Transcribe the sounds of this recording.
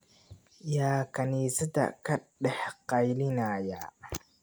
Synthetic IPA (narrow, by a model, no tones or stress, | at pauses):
jaːkʰɐniːsɐd̪ɐ̰kʰɐɖɛħqɑjlɪnɐːja